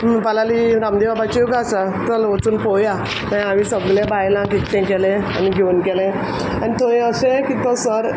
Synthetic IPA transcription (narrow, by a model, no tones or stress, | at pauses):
palaliɾamd̪ibabat͡ɕijuɡasat̪ualʋət͡suːnpɔja | mãaʋisəɡlebajlãkit̪ːɛ̃kɛlẽa̰niɡʱeunkɛlẽ | anit̪ʰoẽəɕẽkit̪ə̃səɾ